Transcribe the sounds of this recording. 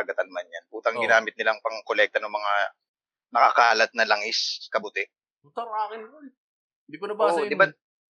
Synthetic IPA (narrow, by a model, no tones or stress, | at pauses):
ɐɡɐt̪anmanjanʔuːt̪ɐŋɡɪnaːmɪt̪̚nɪlaŋpɐŋkolɛk̚t̪ɐnʊŋmɐŋa | nɐkɐkaːlɐt̪̚nɐlɐŋɪskɐbʊt̪ɪ | t̪oɾaːkɪnko | ɪnd̪ipɐnɐbad̪ɪba